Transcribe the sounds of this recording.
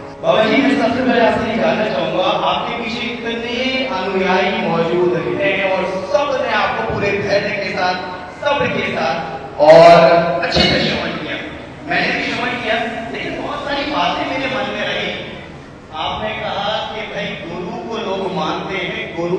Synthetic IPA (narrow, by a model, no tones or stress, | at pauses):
bʱaːbad͡ʒiːmɛ̃ːsɐbsemɛ̃aːpseɦid͡ʒaːlnat͡ʃaːɦũːŋɡaʔaːp̚kepit͡ʃʰet̪neɐnʊjaːimɔːd͡ʒuːd̪inɛ̃ɔːɾsɐbneaːp̚kopuːɾep̪ʰɛːnekesaːt̪̚ʰ | sɐbkesaːt̪ʰ | ɔːɾɐtːʃʰik̪ɐʃɐmɐd͡ʒkijaː | mɛ̃ːnebʱiʃɐməd͡ʒkijaeɦebɔːt̪saːɾibaːt̪ɦɛ̃med͡ʒemɐnmeaːɦiɦɛ̃ | aːpnẽkɐɦakebʱɐiɡʊɾũkoloːɡmãːnt̪eɦɛ̃ːɡʊɾ